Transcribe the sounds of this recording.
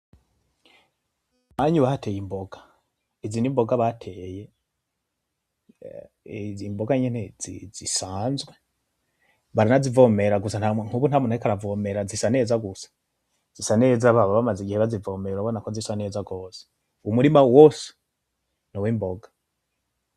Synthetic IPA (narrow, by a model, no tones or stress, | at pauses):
maɲuβahatejimboɡḁ | izinimbo̞ɡaβatʰeːje̞ | imboɡaɲenezḭzisaːnzɡwe | βaɾinazivomeɾaɡusanaŋ̥uβun̥hamunaikaɾavomeɾazisane̞ːzaɡusḁ | z̥isanezaβaβaβamaziɡiheβazivoːmeɾuɾaβo̞nakozisane̞zaɡo̞ːze̥ | umuɾimawose̥ | nowimboɡḁ